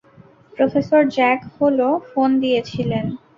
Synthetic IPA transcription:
pɾofesoɾd͡ʑɛkholofond̪ijet͡ɕʰilen

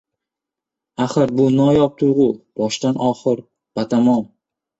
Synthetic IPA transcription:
aχɨɾbʊnɒjɒp̚t̪ʰʊɾʁʊb̥ɒʃt̪anʔɒχɨɾ | b̥at̪ʰamɒm

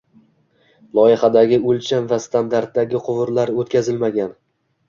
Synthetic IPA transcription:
lˠɒjɪχad̪aɡʲɪɵlt͡ʃʰanvast̪ʰand̪aɾt̪̚d̪aɡʲɪqʰʊvʊɾlaɾot̪kʲʰazɪlmaɡʲan

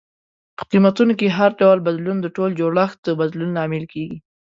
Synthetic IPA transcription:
qimat̪unokeɦaɾɖawlbad̪lund̪əʈold͡ʒoɽaxt̪̚d̪əbad̪lunlɑmɪlkeɡi

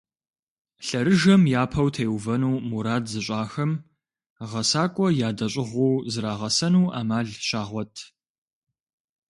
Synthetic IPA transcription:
ɬɐɾɨʒɐmjaːpʰɐwtʰeːwvɐnuːmuɾaːdzɨɕʼaːxɐm | ʁɐsaːkʷʼɔjaːdɐɕʼɪʁʷuːzɨɾaːʁɐsɐnuːʔa̰ːmaːɮɕaːʁʷɔtʰ

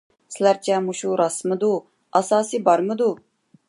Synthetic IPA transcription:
sɪlæɾt͡ʃʰɛmuʃuɾɑsmɨd̪u | ɑsɑːsibɑɾmɨd̪u

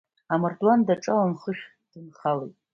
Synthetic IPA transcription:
amɨrdwandaʈ͡ʂʼalamχəʃᶣ | d̥ɨnχalejtʼ

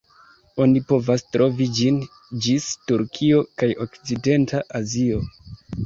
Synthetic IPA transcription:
o̞nipo̞vastɾo̞vid͡ʒin | d͡ʒistuɾkʰio̞kajo̞kt͡side̞ntaʔazio̞

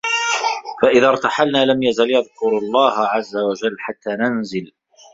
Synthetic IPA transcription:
faʔɪðaːɾˤt̪aħalnaːlamjazaljɑðkʊɾlˤːɑːhʕazːawad͡ʒalːħat̪ːaːnanzɪl

